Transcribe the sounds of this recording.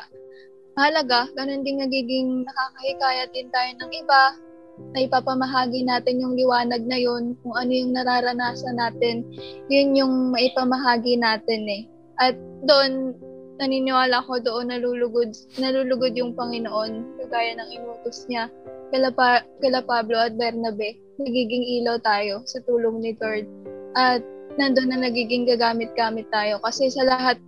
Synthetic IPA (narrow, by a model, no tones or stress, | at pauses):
ɐlɐɡaɡɐno̞nd̪ɪŋmɐɡiːɡɪŋnɐkaːkɐhɪkaːjɐd̪ɪnt̪aːjo̞nɐŋʔɪba | nɐʔɪpapɐmɐɦaːɡɪnaːt̪ɪnjʊŋlɪwaːnɐɡ̚nɐjo̞nkʊŋʔɐno̞jʊŋnɐɾaːɾɐnaːsɐnaːt̪ɛnjʊnjʊŋmɐʔɪpɐmɐɦaːɡɪnaːt̪ɛnɛ | ʔɐt̪̚d̪oʔo̞nː | ɐninɪwaːlɐko̞d̪o̞ʔo̞nɐlulʊɡod̪̚ | nɐluːlʊɡod̪̚jʊŋpɐŋɪnoʔo̞nkɐɡaːjɐnɐŋɪmuːt̪osɲakɐlɐpakɐlɐpaːblo̞ʔɐt̪̚bɛɾnɐbɛ | nɐɡiːɡɪŋʔiːlɐwt̪aːjo̞sɐt̪uːloŋnɪd̪oɹd̪̚ʔɐt̪̚nɐnd̪o̞nːɐŋnɐɡiːɡɪŋɡɐɡaːmɪt̪̚ɡaːmɪt̪ːaːjo̞kɐsɛsɐlɐɦat̪̚